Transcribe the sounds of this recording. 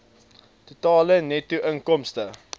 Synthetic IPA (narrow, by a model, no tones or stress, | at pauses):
tutɑːlənɛtuʔəŋkɔmstə